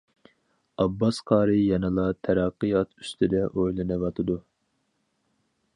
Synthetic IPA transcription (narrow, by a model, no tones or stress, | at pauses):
ɑbːɑsqʰɑːɾɨjɑnɨlˠɑt̪ʰɛɾɑqːɨjɑt̪y̥st̪ʰɪd̪ɛʔojlˠɨnɨvɑt̪ʰɨd̪u